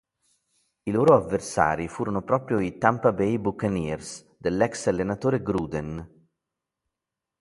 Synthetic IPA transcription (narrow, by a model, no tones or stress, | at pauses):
iloːɾoavːersa̰ːɾifuːɾonopɾɔːpɾjoit̪ampabɛjbukanirs | d̪elːɛksalːenat̪oːɾeɡɾuːd̪en